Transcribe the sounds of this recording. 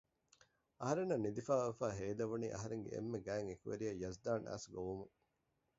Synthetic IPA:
ɐɦɐɾenːɐnːid̪ifaːʋefæːɦeːd̪ɐʋunḭːʔɐ̰ɦɐɾeŋɡḛʔḛmːeɡæːŋekuʋḛɾijɐjɐzd̪aːnʔæ̰ːsɡoʋumuŋ

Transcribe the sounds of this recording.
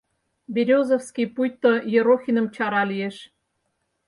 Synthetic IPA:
bʲeɾʲozofskʲijpujt̪ːojĕɾoxʲinɤ̆mt͡ɕɑɾɑlʲijeʃ

